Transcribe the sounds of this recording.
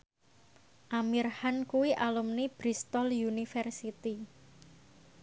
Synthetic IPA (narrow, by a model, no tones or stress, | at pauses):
ʔamirhankuwiʔalumnib̥ɾist̪ɔljunifɛrsit̪i